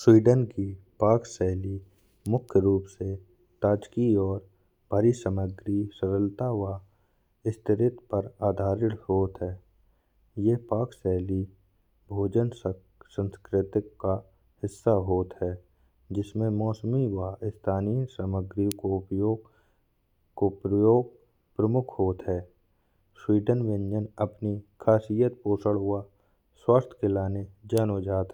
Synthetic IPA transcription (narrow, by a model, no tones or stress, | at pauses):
swiːɖənkipaːksɛːli | mʊkʰjəɾuːpse | t̪aːd͡ʒkiɔːɾ | b̥ʱəɾisəməɡɾisəɾəlt̪awa | ɪst̪ʰɪɾɪt̪pəɾaːd̪ʱaːɾɪɽhoːt̪ɦɛː | jepaːksɛɦli | bʱoːd͡ʒəns | sə̃nskɾɪt̪ɪkːa | hɪsːaɦoːt̪ɦɛː | d͡ʒɪsmẽmɔːsəmiwaːɪst̪ʰaːnisəməɡɾikoʊpjoːɡ | kopɾəjoːɡ̚ | pɾəmʊkʰɦoːt̪ɦɛː | swiːɖənʋɪ̃nd͡ʒənəpnikʰaːsijət̪̚poːsəɽɦʊa | swaːst̪ʰkelaːned͡ʒaːnod͡ʒaːt̪ɛ